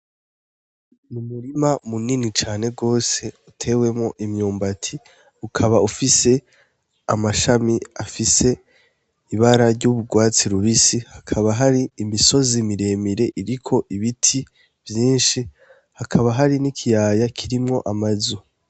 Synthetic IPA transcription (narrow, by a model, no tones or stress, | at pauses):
mumuɾimamuninit͡ʃaːne̞ɡo̞ːse̞utʰe̞ːwe̞mŋo̞ʔimɲuːmbatʰi | ukʰaβaufise̞ | amaʃamia̰fise̞ | iβaɾaɾɟuβuɡwaːt͡siɾuβisihakʰaβaɦaɾiːmiso̞zimiɾe̞ːmiɾe̞ʔiɾikʰo̞ʔiβitʰi | vjiːnʃi | hakʰaβaɦaɾinikʰijaːjakʰiɾimŋo̞ʔamazu